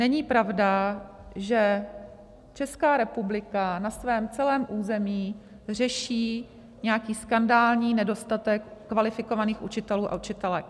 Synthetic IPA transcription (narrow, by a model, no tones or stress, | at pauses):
nɛɲiːpɾavda | ʒɛ | t͡ʃɛskaːɾɛpublɪkanasvɛːmt͡sɛlɛːmʔuːzɛmiː | r̝ɛʃiː | ɲɛakiːskandaːlɲiːnɛdo̞st̪at̪ɛkːvalɪfɪko̞vaniːxʔut͡ʃɪt̪ɛluːʔa̰ʔut͡ʃɪt̪ɛlɛ